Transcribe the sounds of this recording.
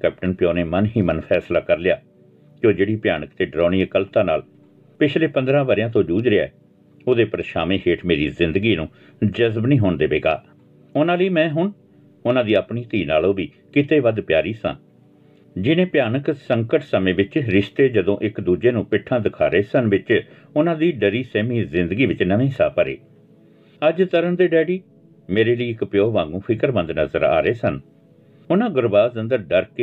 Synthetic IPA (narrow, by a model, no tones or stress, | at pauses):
kɛːp̚ʈənpɪjõːneːmənɦiːmənpʰɛːslaːkəɾlɪjaː | kjoːd͡ʒeːɽiːpjaːnəkt̪eːɖɾɔ̃ːñiːəkəlt̪ãːnaːl | pɪt͡ʃʰleːpənd̪ɾãːʋəɾjãːt̪õːd͡ʒuːd͡ʒɾɪɛ̰ː | oːd̪eːpəɾʃaːmẽːɦeːʈʰmeːɾiːzɪ̃nd̪əɡiːnũː | d͡ʒəzbnĩːɦoːɳd̪eːʋeːɡa̰ː | ʊnãːləiːmɛ̃ːɦʊɳ | ʊnãːd̪iːəpɳiːt̪iːnaːlõːbiː | kɪt̪eːʋəd̪pjaːɾiːsã̰ː | d͡ʒɪnẽːpjaːnəksəŋkəʈsəmẽːʋɪt͡ʃɾɪst̪eːd͡ʒəd̪õːʔɪkd̪uːd͡ʒeːnũːpɪʈʰːãːd̪ɪkʰa̰ːɾeːsənʋɪt͡ʃ | ʊnãːd̪iːɖəɾiːsɛːmiːzɪ̃nd̪ɡiːʋɪt͡ʃnəʋẽːɦsa̰ːpəɾḛː | əd͡ʒt̪əɾəɳd̪eːɖɛːɖiː | meːɾeːləiːɪkpjoːʋãːŋɡũːpʰɪkəɾbə̃nd̪nəzə̰ɾa̰ːɾeːsən | ʊnãːɡʊɾbaːzənd̪əɾɖəɾkeː